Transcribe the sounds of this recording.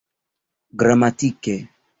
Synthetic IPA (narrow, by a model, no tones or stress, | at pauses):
ɡɾamat̪ike